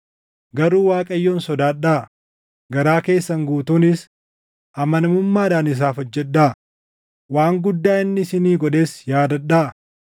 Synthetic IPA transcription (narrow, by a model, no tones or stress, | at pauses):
ɡɐɾuːwaːkʼɐjːoːnsɔd̪aːɗaː | ɡɐɾaːke̞ːsːɐŋɡuːt̪uːnɪs | ʔɐmɐnɐmʊmːaːᶑaːnɪs̬aːfɔd͡ʒːɛᶑːaː | waːŋɡʊd̪ːaːɪnːɪɪsɪniːɡɔᶑe̞ːsjaːd̪ɐᶑaː